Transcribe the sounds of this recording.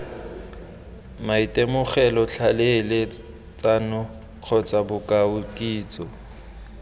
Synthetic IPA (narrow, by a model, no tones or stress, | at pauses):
maitʼemʊχɛlɔɬʰalele | t͡sʼanʊ | q͡χʰɔt͡sʼabʊkʼaʊkʼiːt͡sʼɔ